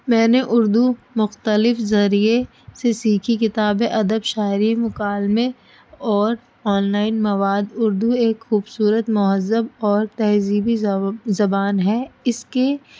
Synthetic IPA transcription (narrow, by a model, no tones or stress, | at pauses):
mɛ̃ːneʔʊɾd̪umʊxt̪əlɪfzɐɾie | sesiːkʰikɪt̪aːbeʔɐd̪əbʃaːɪɾimʊkaːlme | ɔːɾ | ɔːnlaːɪnmɐʋaːd̪ʊɾd̪ueːkxuːbsuːɾət̪mʊɦəzːəbɔːɾt̪ɛɦziːbizɐbaːnɦɛɪske